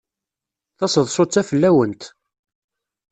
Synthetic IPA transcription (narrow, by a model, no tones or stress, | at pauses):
θɑsəðˤsot͡sːæfəlːæwənt̪